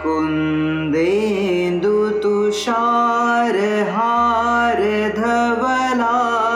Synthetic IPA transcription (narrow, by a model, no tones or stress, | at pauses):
kun | d̪e | nd̪ut̪uʃaːɾɦaːɾə | d̪ʱɐʋə | laː